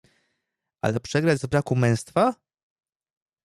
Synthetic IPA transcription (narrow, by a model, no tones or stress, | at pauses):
ʔa̰lɛpʂɛɡɾad͡ʑzbɾakumɛ̃w̃st̪fa